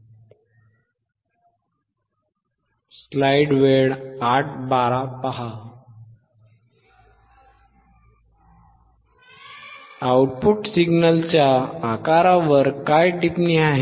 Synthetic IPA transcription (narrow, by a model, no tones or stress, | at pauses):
slajɽʋeɽaʈ̚ʰbaɾapaɦa | awʈ̚puʈsiɡnəlt͡ɕjaːkaɾaʋəɾkajʈipniaɦe